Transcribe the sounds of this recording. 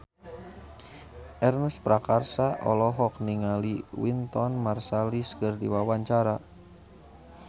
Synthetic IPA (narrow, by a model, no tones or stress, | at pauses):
ʔɛrnəspɾakarsaʔɔlɔɦɔk̚niŋaliwint̪ɔnmarsaliskərdiwawaɲt͡ʃaɾa